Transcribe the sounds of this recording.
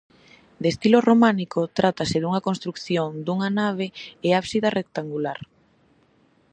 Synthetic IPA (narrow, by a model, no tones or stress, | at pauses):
d̪est̪iloromãnikot̪ɾat̪asɪðuŋɐkonst̪ɾukθjoŋd̪uŋanaβ̞eeaβsiðarʔek̚t̪aŋɡulaɾ